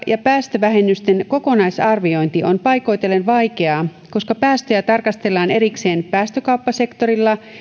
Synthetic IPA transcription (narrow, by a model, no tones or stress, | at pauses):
jɑpæːst̪øʋæɦe̞nːyst̪enko̞ko̞nɑjsɑrʋio̞jnt̪ionpɑjko̞jt̪elːenʋɑjke̞ɑː | ko̞skɑpæːst̪øjæt̪ɑrkɑst̪e̞lːɑːneɾikse̞ːnpæːst̪økɑwpːɑse̞kt̪o̞ɾilːɑ